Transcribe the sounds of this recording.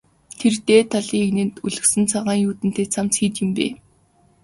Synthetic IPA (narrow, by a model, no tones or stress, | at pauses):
t̪ʰert̪eːt̪ʰaɮiːknɘ̆nt̪uɮɘ̆ksɘ̆nt͡sʰaʁaːŋjuːt̪ɘ̆nt̪ʰeːt͡sʰamt͡sxiːt͡ɕɪ̆mpḛː